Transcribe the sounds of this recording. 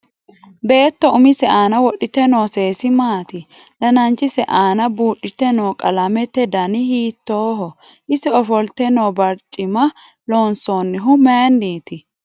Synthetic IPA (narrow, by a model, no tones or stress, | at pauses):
be̞ːt̪ːɔʊmɪsɛʔaːnɐwɔɗɪt̪ɛnoːse̞ːsɪmaːt̪ɪ | lɐnɐnt͡ʃːɪsɛʔaːnɐbuːᶑːɪt̪ːɛnoːkʼɐlɐmɛt̪ːɛd̪ɐnɪhiːt̪ːoːɦɔ | ʔɪsɪɔfɔlt̪ɛnoːbɐɾt͡ʃʼːɪmɐ | lo̞ːnsoːnːɪɦʊmeːnːiːt̪ɪ